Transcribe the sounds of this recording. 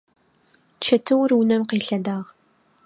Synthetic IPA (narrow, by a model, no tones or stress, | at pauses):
t͡ʃʰɐtʰɨwrwʊnɐmqiːɬɐdaːʁ